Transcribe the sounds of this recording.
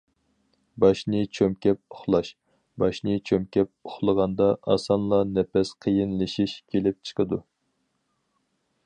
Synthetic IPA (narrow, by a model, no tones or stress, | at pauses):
bɑʃnɨt͡ʃʰømkʲɛp̚ʊχlˠɑʃ | bɑʃnɨt͡ʃʰømkʲɛp̚ʊχlˠəʁɑnd̪ɑʔɑ̰sɑnlˠɑnɛpɛsqʰəjinlɨʃiʃkʲʰelɪp̚t͡ʃʰə̥qʰəd̪u